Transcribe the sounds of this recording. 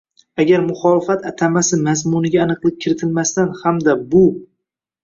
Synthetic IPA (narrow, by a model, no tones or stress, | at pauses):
aɡʲaɾmʊχɒlˠɪfat̪ʰat̪ʰamasɪmazmʊnɪɡʲaːnɨqlˠɪp̚kʲʰɪɾɪt̪ʰɪlmast̪anhamd̪abʊ